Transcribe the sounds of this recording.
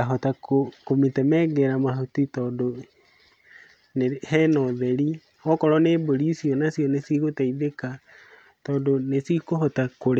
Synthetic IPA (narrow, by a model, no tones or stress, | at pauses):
aɦɔtakokometɛmɛɡɛɾamaɦotitɔːndo | nehɛnɔðɛɾi | ɔkɔɾɔneboɾiːsiɔnasjɔnesiɣotaiðeka | tɔːndonesikoɦɔtakoɾe